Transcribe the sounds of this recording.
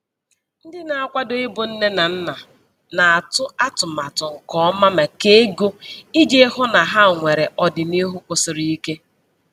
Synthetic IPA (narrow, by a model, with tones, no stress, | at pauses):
n̩˦dɪ˦na˨a˦˨kʷa˦do˨ɪ˦bʊ˨n̩˦ne˦na˨n̩˦na˨ | na˨a˨tʊ˦a˦tʊ˨ma˨tʊ˨ŋ̩˨kɔ˦ma˦me˨ke˦ɡo˦i˦d͡ʒe˦hʊ˦na˨ɦa˦˨ŋʷe˨ɾe˨ʔɔ˨dɪ˨ni˦ɦu˦kʷʊ˨sɪ˨ɾi˦i˦ke˦